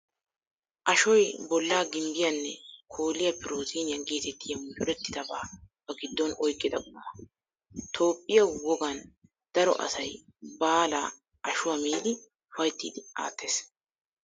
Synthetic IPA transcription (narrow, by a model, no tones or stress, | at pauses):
ʔɐʃɔjbɔlːaːɡɪmbɪjɐnːɛkʰo̞ːlɪjɐpɪɾoːziːnɪjɐŋɡiːt̪ɛt̪ʰːɪjɐmʊjʊɾɛt̪ːɪd̪ɐbaːb̥ɐɡɪd̪ːɔnɔjkʼːɪd̪ɐkʼʊmɐ | t̪ʰo̞ːpʼːɪjɐwɔɡɐn | d̪̥ɐɾɔ̰ʔɐ̰sɐj | baːla̰ː | ʔɐʃʊwamiːlɪ | ʊfɐjt̪ːḭːd̪ɪa̰ːt̪ʰːeːs